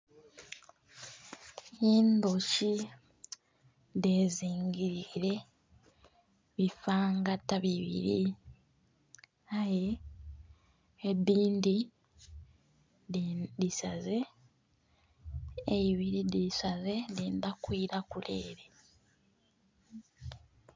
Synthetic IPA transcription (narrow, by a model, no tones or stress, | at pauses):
iːndoʃi | ðeːziːŋɡiɾiɾe̞ | βifaːŋɡatːaβiβḭɾi | aje | ediːndi | disaze | iβiɾidisaze̞diːnd̪akwiːɾakule̞̰ːɾe